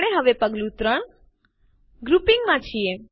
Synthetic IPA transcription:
ɽ̃eɦəʋepəɡlũt̪ɾəɳ | ɡɾupiŋɡmãt͡ʃʰie

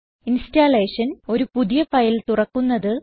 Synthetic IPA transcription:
instaːleːʂɐno̞ɾupuðijɐfɐjilt̪urɐkːunːɐðɨ

